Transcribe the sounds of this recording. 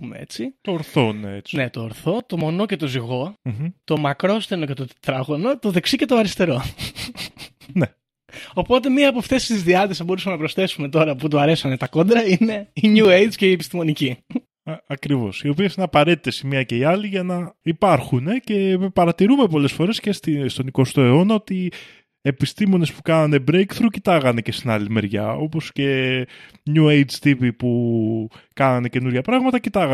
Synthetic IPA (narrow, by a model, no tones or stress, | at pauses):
umḛḛt͡sit̪oɾθo̞̰nḛet͡sne̞t̪oːɾθo̞t̪o̞mo̞no̞cet̪o̞ziɣo̞m̩t̪o̞mɐkɾo̞st̪eno̞ce̞t̪ot̪ɾɐɣono̞t̪o̞ðeksicet̪oɐɾist̪e̞ɾo̞ | ne | o̞po̞t̪̬e̞miɐːpoft̪esst̪izðiɐt̪isɐbo̞ɾusɐmenɐpɾo̞sθe̞sume̞t̪o̞ɾɐput̪uɐɾe̞sɐnet̪ɐko̞d̪ɾɐine̞iɲuejt͡sceiepist̪imo̞nici | ɐɐkɾivo̞̰sio̞piesineɐpɐɾe̞t̪it̪e̞simiɐce̞iɐliʝɐnɐipɐɾxune̞ce̞pɐɾɐt̪iɾume̞po̞le̞sfo̞ɾe̞sce̞st̪ist̪o̞niko̞st̪o̞e̞o̞nɐo̞t̪i | epist̪imo̞ne̞spu̥kɐnɐne̞bɾejkθɾucit̪ɐɣɐne̞ce̞st̪inɐ̰lime̞ɾʝɐ̰o̞po̞sce̞ | ɲue̞jd͡ʒt̪ipipu | kɐnɐne̞ce̞nuɾʝɐpɾɐɣmɐt̪ɐcit̪ɐɣɐ